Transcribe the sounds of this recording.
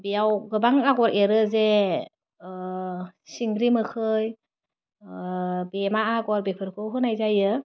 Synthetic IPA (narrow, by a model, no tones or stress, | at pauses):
bijawɡɯbaŋaɡɔɾeɾɯze | siŋɾimɯkʰɯj | bemaaɡɔɾbepʰɯɾkʰɯwɦɯnajzajɯ